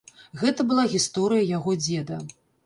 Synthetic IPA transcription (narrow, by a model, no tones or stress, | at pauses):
ɣɛt̪ɐbɨlˠaɣʲist̪ɔɾɨjɐjaɣɔd͡zʲɛd̪ɐ